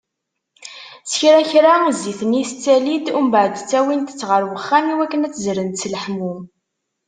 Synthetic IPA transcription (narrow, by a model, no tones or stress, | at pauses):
sə̥çɾæçɾaziθnist͡sːælid̪umbʕəd̪t͡sːæwint̪ə̥t͡sːʁəɾwəχːæniwækːənæt͡sːzɾənt̪sləħmu